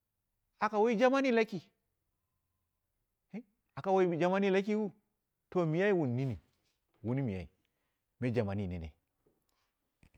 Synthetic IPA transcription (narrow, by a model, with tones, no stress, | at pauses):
a˨ka˨wa˦i˦d͡ʒa˦ma˦ni˦la˦ki˨˦ | a˨ka˨wa˦i˦˨d͡ʒa˨ma˦ni˦la˦k̬i˦wu˦ | to˨mi˨ja˦i˦wu˨nː˨i˦ni˨ | wu˦ni˦mi˨ja̰˨ḭ˨ | me˦d͡ʒa˨ma˨ni˦˨nḛ˨nḛ˨